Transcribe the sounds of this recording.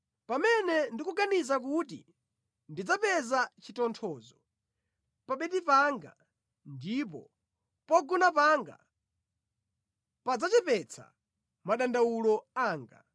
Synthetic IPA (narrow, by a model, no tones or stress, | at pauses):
pamɛnɛndikuɡanizakutḭ | ndid͡zapɛzat͡ʃʰitɔntʰɔːzɔ | paɓɛtipaŋɡa̰ | ndip̬ɔ̰ | pɔɡunapaŋɡa̰ | pad͡zat͡ʃɛpɛt͡sʰa̰ | maɗandawulɔaːŋɡa